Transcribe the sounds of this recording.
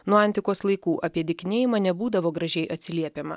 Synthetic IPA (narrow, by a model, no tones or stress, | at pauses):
nuɔɐnʲt̪ʲɪkoːslˠɐɪkuːʔɐpʲiɛd̪ʲɪkʲnʲeːjɪmɐnʲɛbuːd̪ɐʋoːɡɾɐʒʲɛɪʔɐt̪ʲsʲɪlʲiɛpʲeːmɐ̰